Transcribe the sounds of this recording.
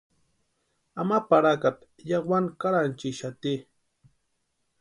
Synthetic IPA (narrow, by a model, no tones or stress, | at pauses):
amapaɾakat̪ | jɑχwankaɾant͡ʃɪʃat̪i